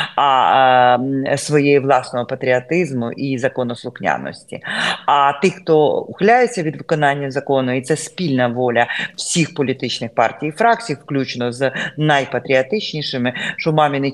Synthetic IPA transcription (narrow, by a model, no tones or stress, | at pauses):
ɐ | sʋɔjejiʋlˠɑsnɔɦɔpɐt̪ɾʲɪɐt̪ɪzmʊ̰ʔizɐkɔnɔslˠʊxnʲa̰nːɔ̰sʲtʲḭɐt̪ɪxt̪ɔʊxlʲajet͡sʲːɐʋʲid̪ʋɪkɔnɑnʲːɐzɐkonʊit̪sɛspʲilʲnɐʋɔlʲɐw̥sʲixpɔlʲit̪ɪt͡ʃnɪxpɑ̰rtʲijifɾɑk̚t͡sʲifklʲut͡ʃnɔznɐjpɐt̪ɾʲɪɐt̪ɪt͡ʃnʲijʂɪmɪʃɔmɑmʲinɪ